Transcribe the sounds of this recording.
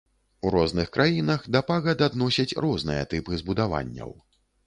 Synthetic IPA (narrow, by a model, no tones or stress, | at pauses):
uɾɔznɨxkɾʔajinɐxd̪ɐpaɣɐd̪ad̪nɔsʲɐt͡sʲrɔznɨ̰jɐ̰t̪ɨpɨzbud̪ava̰nʲːɐ̰w